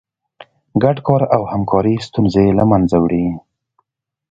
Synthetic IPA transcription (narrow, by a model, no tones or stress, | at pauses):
ɡaɖkɑɾawhamkʰɑɾist̪unzelamanzawɽi